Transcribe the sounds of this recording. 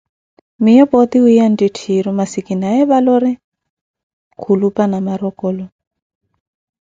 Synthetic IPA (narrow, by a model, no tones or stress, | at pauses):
mijɔpɔt̪iujanditʰiɾɔmasikinaɛβalɔɾɛ | kʰulupanamaɾɔkɔːlɔ